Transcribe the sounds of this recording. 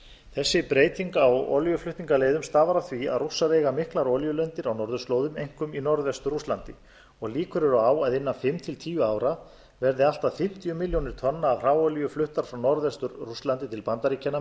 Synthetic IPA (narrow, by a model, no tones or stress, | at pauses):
θɛsːɪpɾeːjt̪iŋkawɔ̰ljʏflʏht̪niŋkaleːjðʏmst̪aːvaɾaθvia̰ðrusːaɾejɣamɪhklaɾɔljʏlœnt̪ɪɾawnɔɾðʏst̪loːwðʏmejŋ̥kʏminɔɾðvɛst̪ʏruslant̪ɪ | ɔɣliːkʏɾʏɾʏaːwaðɪnːanfɪmt̪ʰɪlt̪ʰiːjʏaːwɾa | vɛɾðɪal̥t̪aðfɪm̥t̪ijʏmɪljownɪɾ̥t̪ʰɔnːaːvr̥aːwɔljʏflʏht̪aɾ̥fɾawnɔɾðvɛst̪ʏɾruslant̪ɪt̪ʰɪlpant̪aɾiːcʰana